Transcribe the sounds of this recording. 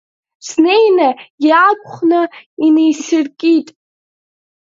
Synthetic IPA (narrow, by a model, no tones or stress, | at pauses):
snejnajaakʷʰʼχnɨinejsɪrkʲʼitʼ